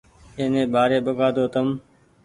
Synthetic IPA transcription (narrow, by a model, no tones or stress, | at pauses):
ẽːnẽːɓaːɾeːɓəɡaːd̪oːt̪əm